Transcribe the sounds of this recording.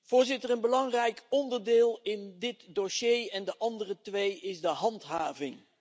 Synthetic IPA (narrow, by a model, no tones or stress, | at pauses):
v̥ʊːɹzɪtərənbəlɑŋrɛjkɔndəɹdɪːlˠɪndɪtdoʃejɛndəʔɑndərətʋejɪzdəɦɑntɦaːvɪŋ